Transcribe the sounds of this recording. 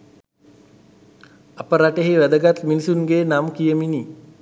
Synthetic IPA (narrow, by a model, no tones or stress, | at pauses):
apəɾaʈeɦiʋæd̪əɡat̪minisunɡeːnamkijəmini